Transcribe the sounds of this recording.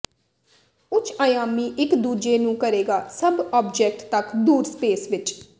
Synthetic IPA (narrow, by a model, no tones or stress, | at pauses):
ʊt͡ʃʰaːjaːmiːʔɪkd̪uːd͡ʒeːnũːkəɾeːɡaːsəbɔːbd͡ʒɛːk̚ʈt̪əkd̪uːɾspeːsʋɪt͡ʃ